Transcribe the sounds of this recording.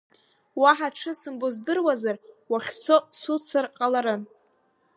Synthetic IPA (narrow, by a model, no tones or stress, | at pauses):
waħaʈ͡ʂʰɨsɨmbozdɨrwazarwaχʲt͡sʰosut͡sʰɨrqʼalaɾɨn